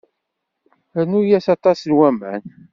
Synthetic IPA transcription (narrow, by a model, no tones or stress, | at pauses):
ænujæsɑt̪ˤɑsnwæmæ̰n